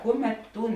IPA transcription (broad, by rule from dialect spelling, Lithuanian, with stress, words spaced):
ˈkʊˌmʲɛt ˈtuːn